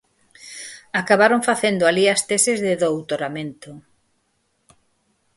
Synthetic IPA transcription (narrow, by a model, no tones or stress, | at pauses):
akaβaɾõɱfaθend̪oaliast̪esezðɪðowt̪oɾamẽnt̪ʊ